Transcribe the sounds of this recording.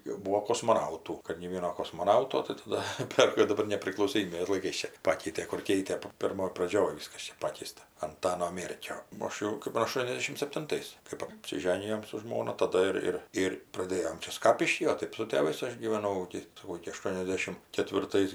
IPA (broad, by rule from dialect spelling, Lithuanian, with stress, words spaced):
jɛʊ ˈbuːoː koːsmoːˈnɐʊtuː kɐt nʲeː ˈʋʲiɛnoː koːsmoːˈnɐʊtoː tɜ tɐˈdɐ ˈpʲɛr jɛʊ dɐˈbɐr nʲɛpʲrʲɪklˠɐʊsoːˈmʲiːbʲeːs lˠɐɪˈkɐɪs ˈt͡ʃʲɛ ˈpɑːkʲɛɪtʲeː kʊr ˈkʲɛɪtʲeː pʲɪrˈmoːj prɐˈd͡ʒʲoːj ˈʋʲiːskɐs ˈt͡ʃʲɛ ˈpɑːkʲɛɪstɐ ɐnˈtɑːnoː ˈmʲeːrʲkʲoː oː ˈɐʃ jɛʊ kɜp ɐˈʃtuɔnʲɛzʲdʲɛʃʲɪm sʲɛpʲtʲɪnˈtɐɪs kɜp ɐpʲsʲɪˈʒʲæːnʲɪjoːm sʊ ˈʒmoːnɐ tɐˈdɐ ɪr ˈɪr ˈɪr prɐˈdʲeːjoːm ˈt͡ʃʲɛ ˈskɑːpʲɪʃʲkʲiː oː ˈtɜp sʊ tʲeːˈʋɐɪs ˈɐʃ ɡʲiːʋʲɛˈnɐʊ ɪkʲɪ sɐˈkɐʊ ɪkʲɪ ɐˈʃtuɔnʲɛzʲdʲɛʃʲɪm kʲɛtʲʋʲɪrˈtɐɪs